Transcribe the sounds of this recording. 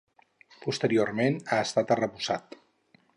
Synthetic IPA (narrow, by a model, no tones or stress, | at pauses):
pust̪əɾioɾmenaəst̪at̪ərəβuzat̪